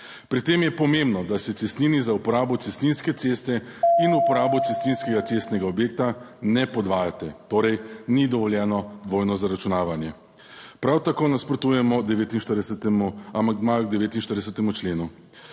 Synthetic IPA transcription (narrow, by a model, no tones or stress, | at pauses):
pɾit̪eːmjɛpɔmẽmbnɔd̪asɛt̪ɛst̪ninizaupɔɾaːbɔt̪sɛst̪ninskɛt̪sest̪ɛ | inupɔɾaːbɔt̪sɛst̪ninskɛɡat̪sest̪nɛɡaɔbjeːk̚t̪anɛpɔd̪ʋaːjat̪ɛt̪oːɾɛjnid̪ɔʋɔljɛːnɔd̪ʋoːjnɔzaɾat͡ʃunaːʋanjɛ | pɾawt̪akoːnaspɾɔt̪uːjɛmɔd̪ɛʋeːt̪inʃt̪əɾst̪ɛmuamad̪majɔɡd̪ɛʋeːt̪inʃt̪əɾd̪ɛsɛt̪ɛmut͡ʃleːnu